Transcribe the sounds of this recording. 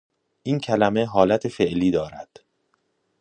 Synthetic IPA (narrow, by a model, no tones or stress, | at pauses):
ʔiːncʰælæmeɦɒːlæt̪ʰefe̞ʔliːd̪ɒːɾæd̪̥